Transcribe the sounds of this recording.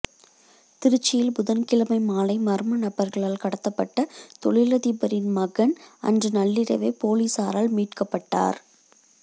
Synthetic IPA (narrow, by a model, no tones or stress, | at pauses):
t̪ɪɾɯt͡ʃːɪjɪlbʊðɐnkɪlɐmɐɪmaːlɐɪmɐɾmɐnɐbɐɾɣɐɭaːlkɐɽɐt̪ːɐpːɐʈːɐt̪ɔ̰ɭɪlɐðiːbɐɾɪnmɐɣɐnɐ̰ndrɯnɐɭːɪɾɐ̰ʋeːpoːliːsaːɾaːlmiːʈkɐpːɐʈːa̰ːɾ